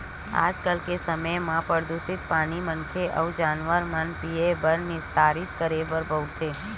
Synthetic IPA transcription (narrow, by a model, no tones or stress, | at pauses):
a̰ːd͡ʒkəlkesəməjmãpəɾd̪usɪt̪paːñimənkʰeʔəʋd͡ʒaːnʋəɾmənpiebəɾnɪst̪ʰaːɾɪt̪kəɾebəɾbʱəwt̪ʰeː